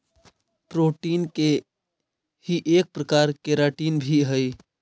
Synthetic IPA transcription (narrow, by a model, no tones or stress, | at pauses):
pɾoʈinke | hiʔek̚pɾəkaɾkeɾaʈinbʱiɦəj